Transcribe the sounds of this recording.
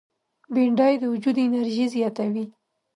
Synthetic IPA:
beɳɖɑjd̪əwʊd͡ʒud̪ɪnaɾʒizjɑt̪awi

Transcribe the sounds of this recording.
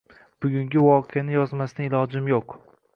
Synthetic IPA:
b̥ʊɡʲʊŋɡʲɪvɒqʰejanɪjɒzmasɪnɪɪlˠɒd͡ʒɪmjoq

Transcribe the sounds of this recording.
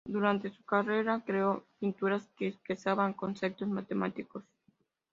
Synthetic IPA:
d̪uɾant̪e̞sukare̞ɾakɾeo̞pint̪uɾaskeːspesaβaŋko̞nsek̚t̪o̞smat̪emat̪iko̞s

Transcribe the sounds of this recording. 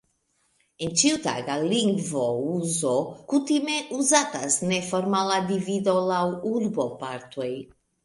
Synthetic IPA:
ent͡ʃiut̪a̰ɡaliŋɡvouzokut̪imeʔuzat̪asnefoɾmalad̪ivid̪olawulbopaɾt̪oj

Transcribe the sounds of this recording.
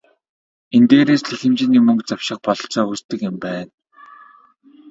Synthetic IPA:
ent̪eːɾeːsɮixɘ̆mt͡ɕɪ̆niːmɵŋkt͡saw̥ʃɪ̆χpɔɮɞ̆ɬt͡sɔːust̪ɘ̆kɪ̆mpæːn

